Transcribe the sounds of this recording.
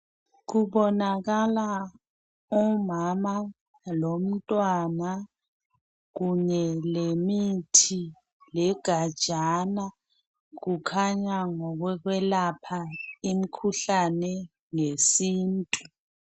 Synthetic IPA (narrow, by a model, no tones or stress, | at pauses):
ɣuɓɔnaɣala | ɔmama | lom̩tʼwana | ɣuɲɛlemitʰi | lɛɡ̥ʱad̥ʒ̥ʱana | ɣukʰaɲaŋɔɣwɛɣwɛlapʰaimikʰuɬanɛ | ŋesiːntʼu